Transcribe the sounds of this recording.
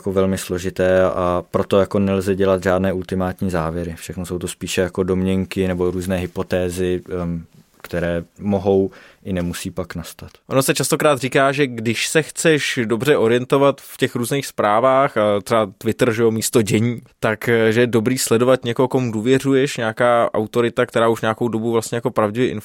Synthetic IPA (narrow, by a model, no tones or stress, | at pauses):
jakovɛlmɪslo̞ʒɪt̪ɛːapɾot̪o̞jako̞nɛlzɛɟɛlat̪ʒaːdnɛːult̪ɪmaːt̪ɲiːzaːvjɛɾɪfʃɛxnosowt̪ospiːʃɛjako̞do̞mɲɛŋkɪnɛbo̞ɾuːznɛːɦɪpot̪ɛːzɪ | kt̪ɛɾɛːmoɦo̞w | ʔɪnɛmusiːpaknast̪at̪ʔonosɛt͡ʃast̪okɾaːt̪riːkaːʒɛɡdɪʃsɛxt͡sɛʃdo̞br̝ɛʔo̞ɾɪjɛnt̪o̞vat̪fcɛxɾuːzniːxspɾaːvaːxat̪r̥ɛbat̪vɪt̪r̩ʒɛjo̞miːst̪o̞ɟɛɲiːt̪akʒɛjɛdo̞bɾiːslɛdo̞vat̪ɲɛkoɦokomuduːvjɛr̝ujɛʃɲaakaːʔa̰wt̪o̞ɾɪt̪akt̪ɛɾaːuʃɲaakowdo̞buvlast̪ɲɛjako̞pɾavɟɪvjɛʔɪn